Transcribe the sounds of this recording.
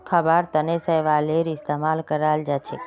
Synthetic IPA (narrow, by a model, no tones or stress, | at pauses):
kʰəbaɾt̪ənesəjʋaleɾɪst̪emalkəɾald͡ʒat͡ʃʰe